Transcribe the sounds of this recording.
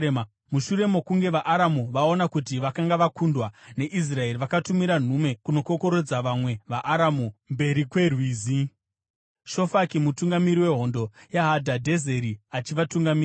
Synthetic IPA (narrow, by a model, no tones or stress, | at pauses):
muʃuɾe̞mo̞kuŋɡe̞ʋaʔaɾamuʋao̞nakut̬iʋakaŋɡaʋakundwane̞ʔis̬rae̞ɾiʋakatumiɾan̤ume̞kuno̞ko̞ko̞ɾo̞d͡zaʋamwe̞ʋaʔaɾamumbe̞ɾikwe̞rwiːzi | ʃo̞fakimutuŋɡamiɾiwe̞ɦo̞ndo̞jaɦadʱadʱe̞ze̞ɾiat͡ʃiʋatuŋɡamiː